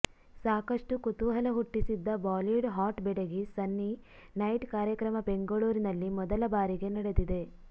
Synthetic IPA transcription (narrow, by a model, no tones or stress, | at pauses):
saːkɐʂʈukut̪uɦɐlɐɦuʈːisid̪ːɐbaːliɖɦaːʈbɛɽeɡisɐnːi | nɐjʈkaːɾjɐkɾɐmɐbeŋɡɐɭuːɾinɐlːimɔd̪ɐlɐbaːɾiɡe̞nɐɽed̪id̪e̞